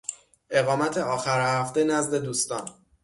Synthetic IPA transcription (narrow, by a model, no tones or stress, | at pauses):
ʔe̞ɣɒːmæt̪ʰe̞ɒːxæɾhæft̪enæzd̪e̞d̪uːst̪ɒːn